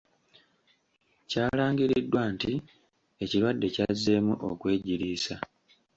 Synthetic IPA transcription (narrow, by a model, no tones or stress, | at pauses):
caːlaːŋɡiɾidːwaːnti | e̞ciɾwadːe̞caze̞ːmuʔo̞kwe̞ːɟiɾiːsa